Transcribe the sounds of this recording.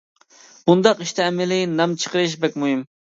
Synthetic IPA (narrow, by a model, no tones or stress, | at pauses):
b̥und̪ɑqiʃt̪ʰɛːmɪlɪnɑmt͡ʃʰə̥qəɾɪʃ̬bɛk̚ʲmujim